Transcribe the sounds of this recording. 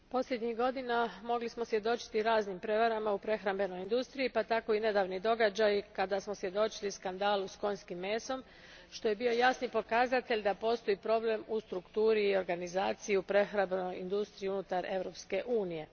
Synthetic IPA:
po̞sʎʲed̪ɲixɡo̞d̪inamo̞ɡlismo̞sʋje̞d̪o̞t͡ʃi̥t̪iɾaːznimpɾe̞ʋaɾamaupɾe̞xɾambe̞no̞jind̪ust̪ɾiipat̪ako̞ine̞d̪aʋnid̪o̞ɡad͡ʒajkad̪asmosʋje̞d̪o̞t͡ʃiliskand̪aːlusko̞ɲʲskimːe̞ːso̞m | ʃt̪o̞je̞bio̞jasnipo̞kazat̪e̞ʎʲd̪apo̞st̪o̞ipɾo̞ble̞must̪ɾukt̪uːɾiːo̞ɾɡanizaːt̪sijupɾe̞xɾambeno̞jind̪ust̪ɾiunut̪aɾe̞ʋɾo̞pske̞ʔuːnije̞

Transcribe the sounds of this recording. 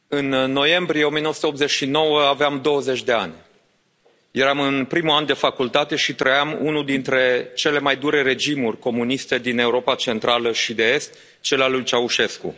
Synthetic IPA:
ɨnːo̞je̞mbɾieo̞mienoəsu̥t̪opze̞t͡ʃʃino̞wəaveamd̪o̞wəze̞t͡ʃʲd̪e̞a̰nʲ | je̞ɾamɨnpɾimuand̪e̞fakult̪at̪e̞ʃit̪ɾəjamunuld̪int̪ɾe̞t͡ʃe̞le̞majd̪uɾe̞ɾe̞d͡ʒimurʲko̞munist̪e̞d̪ine̞uɾo̞pat͡ʃe̞nt̪ɾaləʃid̪e̞est̪ | t͡ʃe̞lalujt͡ʃauʃe̞skṵ

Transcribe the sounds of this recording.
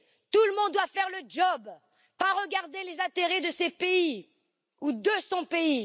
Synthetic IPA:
t̪uləmɔ̃d̪̚d̪wafɛʁləd͡ʒɔb | paʁəɡaʁd̪elezãt̪eʁed̪əsepei | ud̪əsɔ̃pei

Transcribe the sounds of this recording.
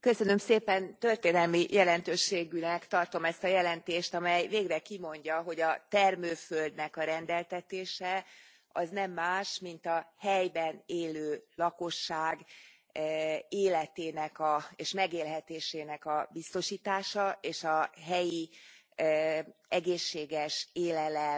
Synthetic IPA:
kø̞sø̞nø̞mseːpɛnt̪ø̞rt̪eːnɛlmijʔɛlɛnt̪øːʃːeːɡynɛkt̪ɒrt̪o̞mɛst̪ɒjɛlɛnt̪eːʃt̪ɒmɛjveːɡrɛkimo̞ɲɟɒɦo̞ɟɒt̪ɛrmøːføld̪nɛkɒɾɛnd̪ɛlt̪ɛt̪eːʃɛ | ɒznɛmːaːʃmint̪ɒhɛjbɛneːløːlɒko̞ʃːaːɡ | eːlɛt̪eːnɛkɒeːʃmɛɡeːlɦɛt̪eːʃeːnɛkɒbist̪o̞ʃiːt̪aːʃɒʔeːʃɒɦɛji | ɛɡeːʃːeːɡɛʃeːlɛlɛ

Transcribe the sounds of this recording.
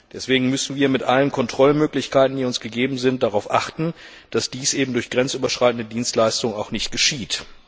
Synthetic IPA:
d̥ɛsv̥eːɡŋ̩mʏsn̩viːɐmɪtʔalənkʰɔntʁ̥ɔlmøːklɪçkaɪtn̩diːʊnsɡ̥əɡeːbm̩zɪnt̚d̥aʁaʊfʔaχtn̩ | d̥asd̥iːsʔeːbm̩dʊɐçɡ̥ʁɛnt͡sʔyːbɐʃʁ̥aɪtn̩dədiːnstlaɪstʊŋaʊxnɪçt̚ɡ̥əʃiːt

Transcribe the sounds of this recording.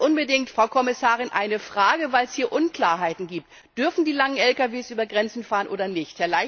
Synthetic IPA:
ʔʊnbədɪŋtfʁ̥aʊkʰɔmɪsaːʁɪnʔa̰ɪnəfʁ̥aːɡəvaɪlshiːɐʔʊnkl̥aːɐɦaɪtn̩ɡiːp̚t | d̥ʏɐfn̩diːlaŋənɛlkaveːsʔyːbɐɡʁɛnt͡sn̩faːʁənʔo̰ːdɐnɪçthɛɐlaɪ

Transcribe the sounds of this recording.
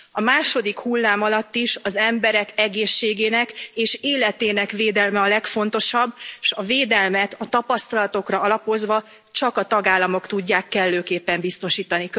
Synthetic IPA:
ɒmaːʃo̞d̪ikhulːaːmɒlɒt̪ːiʃɒzɛmbɛɾɛkɛɡeːʃːeːɡeːnɛkeːʃeːlɛt̪eːnɛkveːd̪ɛlmɛɒlɛkfo̞n̪t̪o̞ʃɒbːʃɒveːd̪ɛlmɛt̪ɒt̪ɒpɒst̪ɒlɒt̪o̞krɒɒlɒpo̞zʋɒ | t͡ʃɒkɒt̪ɒɡaːlːɒmo̞kt̪uɟːaːkːɛlːøːkeːpːɛmbist̪o̞ʃiːt̪ɒni

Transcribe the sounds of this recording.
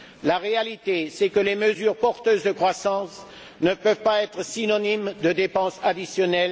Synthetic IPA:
laʁealit̪esɛkəleməzyʁpɔʁt̪øzd̪əkχwasɑ̃s | nəvpœvpaɛt̪χəsinɔnimd̪əd̪epɑ̃sad̪isjɔnɛl

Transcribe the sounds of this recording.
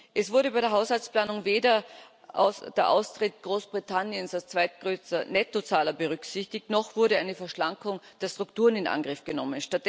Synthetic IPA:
ʔɛsv̥ʊɐɾəbaɪɾeːɐɦaʊshalt͡sspl̥aːnʊŋveːdɐ | ʔʔa̰ʊsd̥eːɐʔa̰ʊstʁ̥ɪtɡ̥ʁoːsb̥ʁitʰanjənsalst͡sv̥aɪt̚ɡ̥ʁøːstɐnɛtot͡saːlɐbəʁʏksɪçtɪçtnɔxv̥ʊɐɾəaɪnəfɛɐʃlaŋkʊŋd̥eːɐstʁ̥ʊktuːʁənɪnʔa̰nɡʁɪfɡ̥ənɔmənʃtat̚d̥ɛ

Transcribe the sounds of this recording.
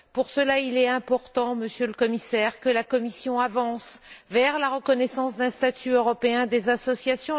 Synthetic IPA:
puʁsəlailɛɛ̃pɔʁt̪ɑ̃məsjøləkɔmisɛʁkəlakɔmisjɔ̃avɑ̃svɛʁlaʁəkɔnɛsɑ̃sd̪ɛ̃st̪at̪ʰyøʁɔpeɛ̃d̪ezasɔsjasjɔ̃

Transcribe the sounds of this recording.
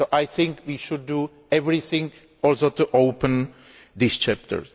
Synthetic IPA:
soʔajθɪ̃ŋkwiʃudːu | ɛvɾɪθɪ̃ŋ | ɔlsot̪uʔowpə̃n | d̪ɪst͡ʃɛp̚tə̰ɹ

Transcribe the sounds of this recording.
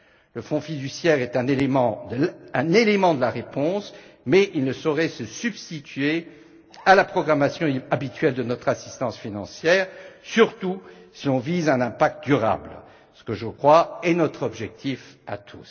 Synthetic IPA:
ləfɔ̃fid̪ysjɛʁɛt̪ɛ̃nelemɑ̃d̪əɛ̃nelemɑ̃d̪əlaʁepɔ̃smɛilnəsɔʁɛsəsybst̪it̪ɥe | alapχɔɡʁamasjɔ̃abit̪ɥɛld̪ənɔt̪χasist̪ɑ̃sfinɑ̃sjɛːʁsyʁt̪usilɔ̃vizɛ̃nɛ̃pak̚t̪̚d̪yʁa̰bl | sə̥kəʒəkχwaɛnɔt̪χɔbʒɛk̚t̪ifa̰t̪ʰṵs

